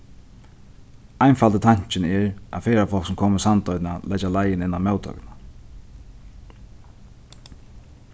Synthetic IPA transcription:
ajnfalt̪ət̪ʰaɲ̥t͡ʃɪnɛɹa̰ðfeːɾafɔlksɔmkʰoːməsant̪ɔjt̪nalʔɛt͡ʃalajɪnɪnːamɛwt̪ʰœ̰kna

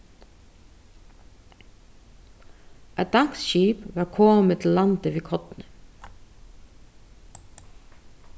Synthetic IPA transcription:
ʔæɪt̪̚d̪ɑŋ̥ksʃiːpʋɑːɾkʰɔːmət̪ʰɪlːɑnt̪əʋiːkʰɔt̪nə

